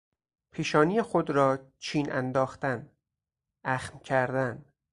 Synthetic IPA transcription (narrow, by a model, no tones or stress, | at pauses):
pʰiːʃɒːnijexod̪ɾɒːt͡ʃʰiːnæ̰nd̪ɒːxt̪æn | æxmcʰæɾd̪æn